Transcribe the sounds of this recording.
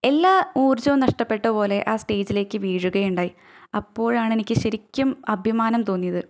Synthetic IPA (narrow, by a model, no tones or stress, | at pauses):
e̞lːaːuːrd͡ʑɐumnɐʂʈɐpːe̞ʈːɐpo̞ːle̞ʔaːsʈe̞ːd͡ʑile̞ːkʲːɨʋiːɻuɣɐjuɳɖaːji | ɐpːo̞ːɻaːɳe̞nikʲːɨɕɐɾikʲːɐmɐbʱjɐmaːnɐmt̪o̞ːnːijɐðɨ